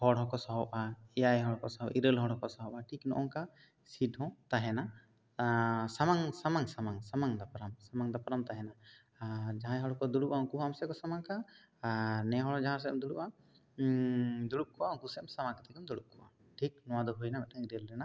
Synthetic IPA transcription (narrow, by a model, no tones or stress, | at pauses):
hɔɽɦɔ̃kɔsɔɦɔpaɛjajɦɔɽɔkɔsɔɦɔʔiɾəlɦɔɽɦɔ̃kɔsaɦɔpaʈʰiknɔ̰ʔɔŋka | siʈɦɔ̃t̪aɦɛna | samaŋsamaŋsamaŋsamaŋd̪apɾamsamaŋd̪apɾamt̪aɦɛna | d͡ʒaɦãjɦɔɽɔkɔd̪uɽuʔaɔkuɦamsɛkɔsamaŋka | ɾnɛɦɔɽɔd͡ʒaɦãs̬ɛmd̪uɽuʔa | d̪uɽup̚kʰuʔaɔ̃kusɛmsamakat̪ʰɛkɛmd̪uɽup̚kʰuʔa̰ | ʈʰik̚nɔwad̪ɔɦujnamɛaŋiɾɛlɾɛna